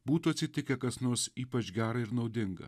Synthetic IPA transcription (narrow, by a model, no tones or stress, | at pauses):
buːt̪uɐt̪ʲsʲɪt̪ʲɪkʲɛkɐsnoːsiːpɐt͡ʃɡʲæːɾɐɪɾnɒʊd̪ʲɪŋɡɐ̰